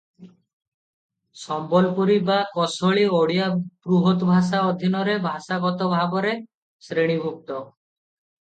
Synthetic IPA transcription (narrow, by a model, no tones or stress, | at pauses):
sɔmbɔlpuɾibakɔsoɭioɽijapɾuɦot̪bʱasaɔd̪ʱinɔɾebʱasaɡɔt̪ɔbʱabɔɾe | sɾeɽ̃ibʱuk̚t̪ɔ